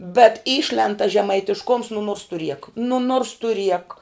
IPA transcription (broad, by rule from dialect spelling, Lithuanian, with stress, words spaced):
bʲɛt ˈiːʃʲlʲɛnt tɐs ʒʲɛmɐɪtʲɪʃˈkʊms nʊ nuɔrs tʊ rʲiɛk nʊ nuɔrs tʊ rʲiɛk